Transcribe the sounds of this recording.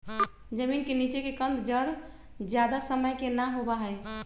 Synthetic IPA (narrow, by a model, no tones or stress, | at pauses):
d͡ʒəminkenit͡ʃekekənd̪d͡ʒəɽ | d͡ʒjad̪asəməjkenaɦobaɦəj